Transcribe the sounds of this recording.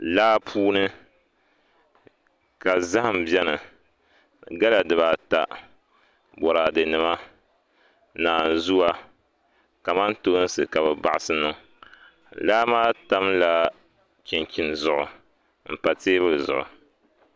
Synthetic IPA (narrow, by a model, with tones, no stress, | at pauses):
laː˦pʰuː˦nɨ˦ | ka˨za˦ha˨m̩˨bjɛ˦nɨ˨ | ɡa˦la˨dɨ˨βa˨ta̰˨ | bɔ˨ɾaː˨dɨ˨nɨ˨ma˦ | naː˨n˨zu˦wa˦ | ka˨ma˦nto˦n˦sɨ˨ka˨bɛ˨ba˨ʔa˨sɨ˦nɨ˦ | laː˦maː˦ta˦mla˦ | kɪ˨ŋkʲi˨nzʊ˨ʔʊ̰˨ | m̩˨pa˨teː˦βɨ˦˨zʊ̰˨ʔʊ̰˨